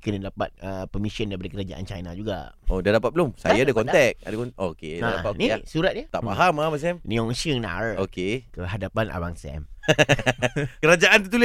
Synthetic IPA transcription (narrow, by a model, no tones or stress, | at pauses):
kənadapa̰t̪̚əpəmisəndaip̬adəkəɾad͡ʒa̰ʔa̰nt͡ʃa̰jnad͡ʒuɡa̰odadapat̪̚bəlʊmsa̰jaadakɔnt̪ɛk̚a̰dakɔʔokeadaanisuɾat̪̚jət̪aʔmaɦamabas̬ɛmnĩɔŋsəŋna̰rokekəɦadapanʔa̰waŋsɛ̰m | kəɾad͡ʒaʔant̪ut̪ulɪ